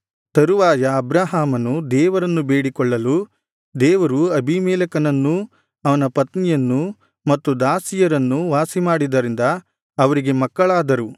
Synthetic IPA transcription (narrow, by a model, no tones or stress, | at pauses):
t̪ɐɾuʋaːjɐːbɾaːɦaːmɐnud̪ɛːʋɐɾɐnːubeːɽikɔɭːɐlu | d̪ɛːʋɐɾuɐbʱimɛːlɐkɐnɐnːu | ɐʋɐnɐpɐt̪nijɐnːu | mɐt̪ːud̪aːsijɐɾɐnːuʋaːsimaːɽid̪ɐɾind̪ɐ | ɐʋɐɾiɡe̞mɐkːɐɭaːd̪ɐɾu